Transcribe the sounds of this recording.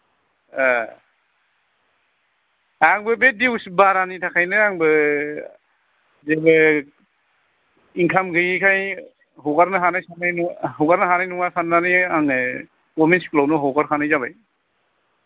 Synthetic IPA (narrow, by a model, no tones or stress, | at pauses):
a | aŋbɯbet̚diwsbaɾanitʰakʰajnɯaŋbɯ | zebɯ | iŋkʰamɡɯjikʰaj | ɦɔɡaɾnɯɦanajsanajnɦɔɡaɾnɯɦanajnuŋasananiaŋ | kɔminsklɔwnɯɦɔɡaɾkʰanɯjzaβaj